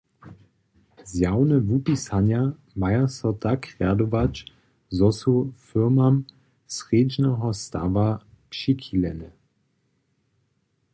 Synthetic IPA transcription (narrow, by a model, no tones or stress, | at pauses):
zjawnɛvupisanja | majasɔtakʁad̪ɔvat͡ʃ | zɔsufɪʁmam | sʁeːd͡ʒnɛɦɔst̪a̰va | pʃikʰilɛnə